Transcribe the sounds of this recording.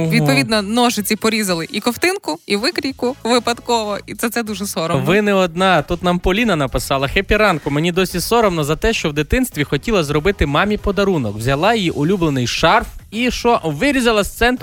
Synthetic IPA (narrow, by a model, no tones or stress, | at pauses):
ʋʲid̪pɔʋʲid̪nɔnɔʒɪt͡sʲipɔɾʲizɐlˠɪʔikɔwt̪ɪnkʊiʋɪkɾʲijkʊʋɪpɐd̪kɔʋɔit̪sɛt̪sɛd̪uʒɛsɔɾɔʋɪnɪɔd̪nɑt̪ut̪nɑmpɔlʲinɐnɐpɪsɑlˠɐxepʲiɾɑnkʊmenʲid̪ɔsʲisɔɾɔmnɔzɐt̪ɛʃt͡ʃɔwd̪ɪt̪ɪnst̪ʋʲixɔtʲilˠɐzrɔbɪt̪ɪmɑmʲipɔd̪ɐɾunɔkwzʲɐlˠɑjijiʔʊlʲublˠenɪjʃɑrfiʃt͡ʃɔʋɪɾʲizɐlˠɐst̪sɛnt̪